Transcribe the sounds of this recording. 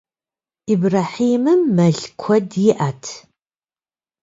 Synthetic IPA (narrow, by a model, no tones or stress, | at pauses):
ibraːħiːmɨmːɐɮkʷʰɔdjɪʔatʰ